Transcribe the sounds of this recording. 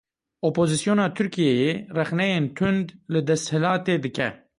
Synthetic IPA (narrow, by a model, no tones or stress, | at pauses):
ʔopʰoːzisjoːnɑːt̪ʰʊɾkijɛjeːrɛxnɛjeːnt̪ʰʊnd̪lɨd̪ɛst̪hɪlɑːt̪eːd̪ɨkɛ̰